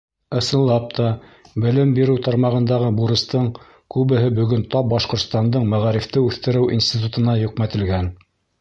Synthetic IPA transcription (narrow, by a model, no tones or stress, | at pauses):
ɤ̆sɤ̆nlˠɑp̚t̪ɑ | bɘ̆lɘmbiɾɘwt̪ɑɾmɑʁɤ̆nd̪ɑʁɤbuɾɤ̆st̪ɤɴ | kʉβɘ̆ɦɘbɵ̆ɡɵnt̪ɑp̚bɑʃqŏɾt̪st̪ɑnd̪ɤɴmæʁæɾift̪ɘʉθt̪ɘ̆ɾɘwʔḭnsʲt̪ʲit̪̬ut̪ɤ̆nɑjɵ̆qmæt̪ɘ̆lɡæn